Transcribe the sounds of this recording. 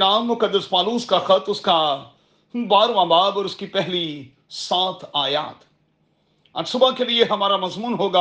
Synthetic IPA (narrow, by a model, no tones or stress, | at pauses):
naːmːʊkɐd̪ːəspaːluːskaxɐt̪ʊska | baːɾʋãːbaːbɔːɾʊskipɛɦli | saːt̪ʰaːja̰ːt̪ | a̰ːɾsʊbakelieɦɐmaːɾamɐzmuːnɦoːɡaː